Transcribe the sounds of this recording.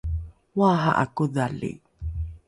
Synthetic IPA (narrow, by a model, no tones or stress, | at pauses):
waɦa̰ʔa̰kuðalḭ